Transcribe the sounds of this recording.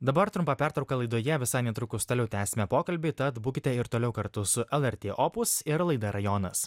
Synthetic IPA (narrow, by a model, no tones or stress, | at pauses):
d̪ɐbɐɾt̪ɾʊmpɑpʲæːˑɾt̪ɾɐʊkɐlˠɐɪd̪oːjɛʋʲɪsɑɪnʲɛt̪ɾʊkʊst̪ɐlʲɛʊt̪ʲæːsʲɪmʲɛpoːkɐlʲbʲɪɪt̪ɐt̪buːkʲɪt̪ʲɛɪɾt̪oːlʲɛʊkɐɾt̪ʊsʊʔɛlˠɛɾʲt̪ʲeːʔopʊsɪɾlˠɐɪd̪ɐɾɐjoːnɐs